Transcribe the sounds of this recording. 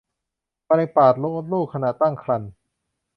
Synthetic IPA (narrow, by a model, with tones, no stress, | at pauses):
pa˧na˧paː˨˩t̪̚lo˦˥ŋʔo˧˥t̪̚luː˥˩kʰːa˧na˨˩t̪ːa˥˩ŋkʰla˧n